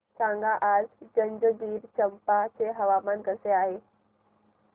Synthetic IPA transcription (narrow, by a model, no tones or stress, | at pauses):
t͡ɕãːŋɡaʔaːzd͡ʑə̃ɲd͡ʑəɡiːɾt͡ɕəmpat͡ɕeɦɐʋamankəseaːɦeː